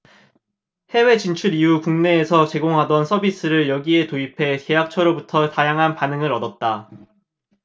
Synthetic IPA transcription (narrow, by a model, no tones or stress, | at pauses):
he̞we̞t͡ɕint͡ɕʰuɾiukuŋne̞ːsʰʌt͡ɕe̞ɡoŋɦadʌnsʰʌbis͈ɯɾɯɭjʌɡie̞toipʰe̞ke̞jak̚t͡ɕʰʌɾobutʰʌtajaŋɦanpanɯŋɯɾʌdʌt̚t͈a